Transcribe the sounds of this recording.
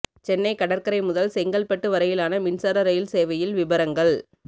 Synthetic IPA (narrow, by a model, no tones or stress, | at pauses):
t͡ʃɛnːɐɪkɐɽɐɾkɐɾɐɪmʊðɐlsɛŋɡɐɭpɐʈːɯʋɐɾɐjɪlaːnɐmɪnsɐɾɐɾɐjɪlseːʋɐjɪlʋɪbɐɾɐŋɡɐɭ